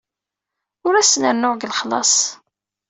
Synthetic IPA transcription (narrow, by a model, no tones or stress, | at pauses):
ʊɾæsnəɾnʊʁɡəlχlɑ̰sˤ